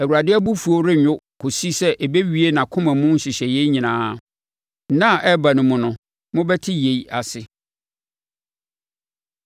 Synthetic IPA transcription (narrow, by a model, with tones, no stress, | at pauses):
æ˨wu˨ɾa˨dɪ˦æ˦bu˦fu˨o˦ɾɪ˦ɲᶣʊ˦kʰo˨si˦sɛ˦ʔɛ˨be˦ɥi˦e˦nã˨kʰʊ̃˦mã˨mʊ̃˦n̩˦ɕɪ˨ɕɛ˨jɛ˦ɲĩ˨nãː˦ | nã˦˨ʔɛ˦ba˨nʊ̃˨mʊ̃˨nʊ̃˦ | mʊ̃˦bɛ˦tʰɪ˦je˨i˦a˨sɪ˨